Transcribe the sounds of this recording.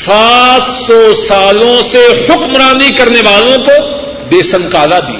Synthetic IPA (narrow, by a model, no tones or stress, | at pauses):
saːt̪sɔːsaːlõsehʊkmɾaːnikɐɾneʋaːlõko | d̪eːsənkaːlad̪ḭː